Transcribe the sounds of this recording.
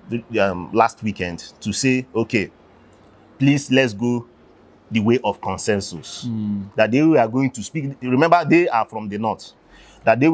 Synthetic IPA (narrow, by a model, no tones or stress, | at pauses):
mlastwikɛ̃ndtuseoke | plislɛtsɡo | dəweʔɔfkɔ̃nsɛ̃nsusdat̚dewiaɡoĩŋtuspikɹimɛ̃mbadeafɹɔ̃mdənɔt | dat̚dew